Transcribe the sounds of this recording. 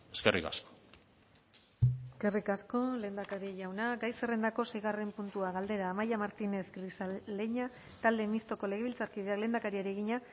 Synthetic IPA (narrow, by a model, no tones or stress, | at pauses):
eskḛrʔḭka̰sko̥ | eske̞rikasko̞le̞ːnd̪akaɾiʝawnaɡajsere̞nd̪ako̞se̞jɣ̞are̞mpunt̪uaɣald̪e̞ɾaːmajamaɾt̪ine̞θɡrisaleɲa | t̪ald̪e̞mist̪o̞ko̞le̞ɣ̞e̞βilt͡saɾkið̞e̞akle̞ːnd̪akaɾiaɾie̞ɣ̞iɲa